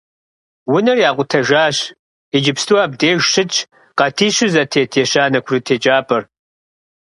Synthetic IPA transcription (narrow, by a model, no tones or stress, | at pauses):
wʊnɐrjaːqʷʊtʰɐʒaːɕ | id͡ʒɪpstʰuwaːb̚deːʒʷɕɨt͡ʃʰʼ | qɐtʰiːɕʊzɐtʰeːtʰeːɕaːnɐkʷʰʊrɨtʰeːt͡ʃʼaːpʼɐr